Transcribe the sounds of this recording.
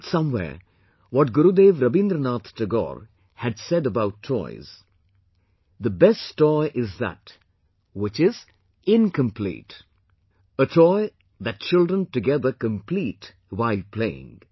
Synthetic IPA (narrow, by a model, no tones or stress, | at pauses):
sʌ̃mwɛ̰ɹ | wɔʈ̚ɡʊɾud̪eːvɾʌbɪ̃nd̪ɾənat̪təɡɔ̰ɾ | hɨdsɛdəbaʊtʰːɔ̰ɪz̥ | ðəbɛsɔɪʔɪzðæ̰t | wɪt͡ʃɪz | ɪ̃nkə̃mpʰlḭːt | ətʰɔɪ | ðɨt̚t͡ʃɪlˠdɾə̃ntɨɡɛðə˞kə̃mpʰlit | waɪlpʰl̥eɪɪ̰̃ŋ